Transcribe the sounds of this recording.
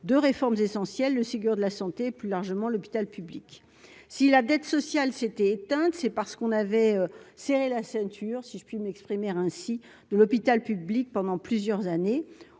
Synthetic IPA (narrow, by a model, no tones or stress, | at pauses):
d̪øʁefɔʁmzesɑ̃sjɛlːəseɡyʁd̪əlasɑ̃t̪eːplylaʁʒəmɑ̃lɔpi̥t̪alpyblik | silad̪ɛt̪sɔsjalset̪ɛet̪ɛ̃t̪sɛpaʁsə̥kɔ̃navɛøseʁelasɛ̃t̪ʰyʁsiʒəpɥimɛkspχimeʁɛ̃si | d̪̥əlɔpit̪alpyblik̚pɑ̃d̪ɑ̃plyzjœʁzane